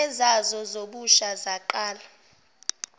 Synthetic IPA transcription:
ɛzazɔzoɓuʃazaǃaːla

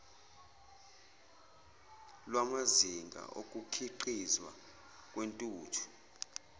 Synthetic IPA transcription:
lwamaziŋɡʱa̰ʔok̬ʼukʰiǃizwa̰ | k̬ʼwentʼuːtʰu̥

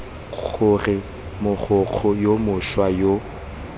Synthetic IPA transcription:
ɣʊrɪ | mʊχʰʊq͡χʰɔjomʊʃwajo

